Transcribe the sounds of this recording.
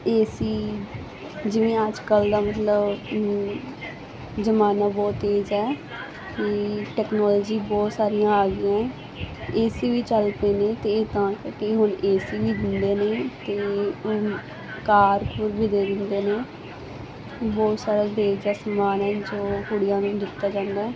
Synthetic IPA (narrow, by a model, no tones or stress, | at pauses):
eːsiː | d͡ʒɪʋẽːəd͡ʒkəld̪aːmət̪ləb | zəmaːnãːbɔːt̪ːeːd͡ʒɛː | kiʈɛːknɔːlɔːd͡ʒiːbɔːt̪saːɾɪjãːaːɡɪjã | eːsiːʋiːt͡ʃəlpeːneːt̪eːt̪ãːkkeɦʊneːsiːʋiːd̪ɪnd̪eːneːt̪eː | kaːɾpʊɾbiːd̪eːd̪ɪnd̪eːneː | bɔːt̪saːɾaːd̪eːd͡ʒaːsəmaːnɛːd͡ʒoːkʊɽɪjãːnũːd̪ɪt̪ːaːd͡ʒãːnd̪aːɛː